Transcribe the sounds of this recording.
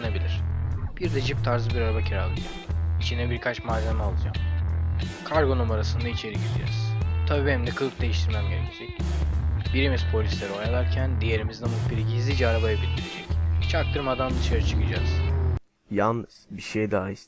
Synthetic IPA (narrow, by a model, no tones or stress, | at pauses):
nabilʲiɾ̥b̥iɾd̪ɛd͡ʒip̚t̪ʰaɾzɯbiɾaɾabacʰiɾalˠɯd͡ʒamit͡ʃʰind̪ɛbiɾkʰat͡ʃmaːzæmalˠɯd͡ʒam | kʰaɾɡonomaɾasɯnd̪ait͡ʃʰe̞ɾiɟid̪ḭɛ̰ɾiz̥t̪ʰabibhɛmd̪ɛkʰɯlˠk̚d̪e̞jiʃt̪ʰiɾmæmɟenɛed͡ʒɛc | biɾimiz̥pʰo̞lʲislʲeɾiojalˠaɾcʰænd̪ije̞ɾimizd̪ɛmubiɾiɟizʲid͡ʒɛaɾabajabit̪ʲd̪iɾed͡ʒɛc̪̚ʰt͡ʃʰak̚t̪ʰɯɾmad̪and̪ɯʃaɾɯt͡ʃʰɯ̥kɯd͡ʒaːz̥ | jalˠnɯz̥biʃejd̪aːjis